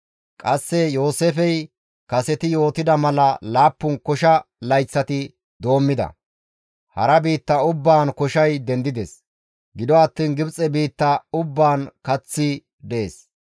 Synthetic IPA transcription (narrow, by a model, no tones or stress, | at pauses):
kʼɐsːɛjo̞ːseːfɛj | kɐsɛt̪ɪjo̞ːt̪ɪd̪ɐmɐlɐlaːpːʊnkɔʃɐ | lɐjt͡sːɐt̪ɪ | d̪o̞ːmːɪd̪ɐ̰ | hɐ̰ɾɐbiːt̪ːɐʊbːaːnkɔʃɐjd̪ɛnd̪ɪd̪ɛs | ɡɪd̪ɔɐt̪ːiːnɡɪbt͡sʼːɛbiːt̪ːɐʊbːaːnkɐt͡sːɪ | d̪ɛʔeːs